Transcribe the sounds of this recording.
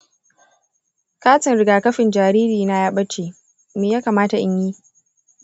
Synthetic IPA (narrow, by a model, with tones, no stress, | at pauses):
kaː˦tɪ˨nɾɪ˨ɡaː˨kɐ˦ɸɪ˨nd͡ʒaː˨ɾiː˦ɾiː˨na˦jaː˦ɓɐ˦t͡ʃeː˨ | meː˨jaː˦kaː˨maː˦ta˨ʔɪ˦ɲji˦